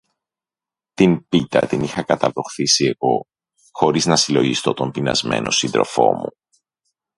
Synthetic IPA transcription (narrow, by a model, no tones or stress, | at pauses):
t̪inpit̪ɐ̰t̪inixɐkɐt̪ɐvɾo̞xθisie̞ɣo̞ | xo̞ɾiznɐsilo̞ʝist̪o̞t̪o̞mpinɐ̰zme̞̰nʔo̞sind̪ɾo̞fo̞̰mṵ